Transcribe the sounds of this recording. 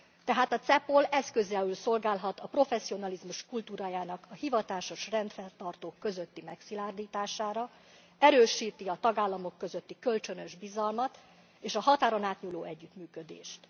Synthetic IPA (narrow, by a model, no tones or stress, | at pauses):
t̪ɛɦaːt̪ɒt̪sɛpolɛskø̞zɛylso̞lɡaːlɦɒt̪ɒpro̞fɛsːio̞nɒlizmuʃkult̪uːɾaːjaːnɒkʰɒhivɒt̪aːʃo̞ʃrɛnt̪fɛrt̪ɒrt̪oːkːø̞zø̞t̪ːimɛksilaːrd̪iːt̪aːʃaːɾɒ | ɛɾøːʃiːt̪iɒt̪ɒɡaːlːɒmo̞kːø̞zøt̪ːikø̞lt͡ʃø̞nø̞ʒbizɒlmɒt̪ | eːʃɒɦɒt̪aːɾonaːt̪ɲuːloːɛɟːyt̪myːkø̞d̪ḛːʃt̪